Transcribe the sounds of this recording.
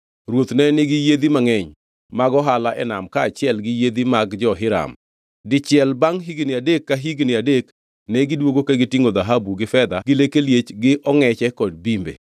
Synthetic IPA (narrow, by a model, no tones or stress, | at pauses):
ɾwot̪nɛnɪɡɪjed̪imaŋɛɲ | maɡɔɦalaʔɛnamkaːt͡ʃɪɛlɡɪjed̪imaɡd͡ʒɔɦɪɾa̰m | dɪt͡ʃɪɛlbaŋɦiɡnɪadekːaɦiɡnɪadek | nɛɡɪdwoɡokaɡɪtiŋod̪aɦabuɡɪfɛd̪aɡɪlekeljet͡ʃɡɪʔɔŋɛt͡ʃɛkɔd̚bimbḛ